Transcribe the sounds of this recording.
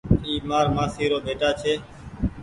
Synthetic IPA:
iːmaːɾmãːsiːɾoːbeːʈaːt͡ʃʰeː

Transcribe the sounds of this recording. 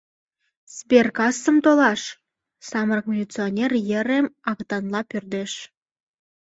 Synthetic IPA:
sbʲerkɑsːə̆mt̪olˠɑʃ | sɑmrɤkmʲelʲit͡sɨonʲerjɘ̆ɾĕmɑkt̪ɑnlˠɑpʲørd̪eʃ

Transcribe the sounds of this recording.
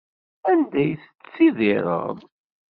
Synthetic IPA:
ænd̪æjθət͡sːiðiɾˤə̰ðˤ

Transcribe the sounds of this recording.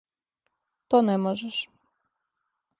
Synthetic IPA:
t̪ɔnɛmɔʒɛʃ

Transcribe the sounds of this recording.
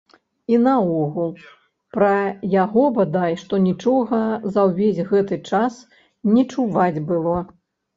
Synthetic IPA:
inɐɔɣulˠ | pɾɐjaɣɔbad̪ajʂt̪ɔnʲit͡ʂɔɣɐzɐwvʲesʲɣɛt̪ɨt͡ʂas | nʲɛt͡ʂuvad͡zʲbɨlˠɔ

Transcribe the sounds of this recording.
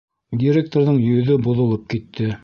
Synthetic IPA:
dʲiɾʲek̚t̪oɾðɤɴjɵ̆ðɵboðŏlˠɤp̚kit̪ʰːɘ

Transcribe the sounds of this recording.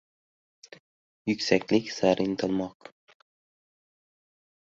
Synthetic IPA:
jʊkʲsakʲlɪkʲsaɾɪnt̪ʰɨlˠmɒq

